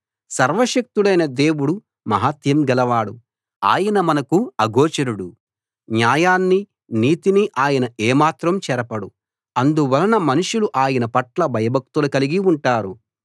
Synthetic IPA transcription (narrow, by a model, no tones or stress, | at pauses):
sɐɾʋɐʃɐk̚t̪uɽɐjnɐd̪e̞ːwuɽu | mɐɦat̪jɐmɡɛlɐʋaːɽu | a̰ːjɐnɐmɐnɐkuɐɡɔːt͡ʃɐɾuɽu | njaːjaːnːi | niːt̪iniʔaːjɐnɐeːmaːt̪ɾɐmt͡ʃɛɾɐpɐɽu | ɐnd̪uʋɐlɐnɐmɐnuʂuluʔaːjɐnɐpɐʈlɐbʱɐjɐbʱɐk̚t̪ulɐkɐliɡiuɳʈaːɾu